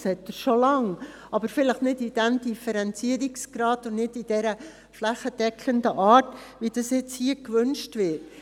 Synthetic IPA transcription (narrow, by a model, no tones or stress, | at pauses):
shɛtːəɾʃolɑŋ | ɑbəɾfɪləχnɪdid̥ɛmdifəɾɛnt͡siəɾiksɡ̥ɾɑːdʊnnɪdid̥ɛɾə | flæχəd̥ɛkʰləndəʔɑːtʋid̥ɑsjɛt͡shiəkʋʏnʃtvɪːt